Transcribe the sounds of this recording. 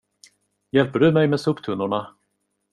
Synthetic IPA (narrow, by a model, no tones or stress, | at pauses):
jɛlpəɖɵmɛjmɛːsɵːpt̪ʰɵnːʊɳa